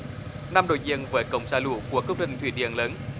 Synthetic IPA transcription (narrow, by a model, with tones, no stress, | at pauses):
na˧mɗo̰˧˨jzi˧ənvəː˨˦kə̰˧˨wŋ͡msaː˧˩lṵ˧˩ku˧˩əkɨ˦˥k͡p̚ɗə˧˩nt̪ʰwḭ˧˩ɗḭ˧˨ənləː˨˦n